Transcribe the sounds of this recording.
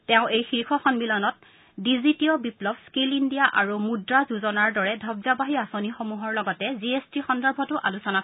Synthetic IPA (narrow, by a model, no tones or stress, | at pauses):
tɛʊ̃ʔejxiɹkʰɔxɔnmilɔnɔt̚ | dizitiɔbiplɔbskilindijaʔaɹumudɹazuzɔnaɹdɔɹɛdʱɔbzabaɦiasonixomuɦɔɹlɔɡɔtɛziestixɔndɔɹbʱɔtʊʔalusɔna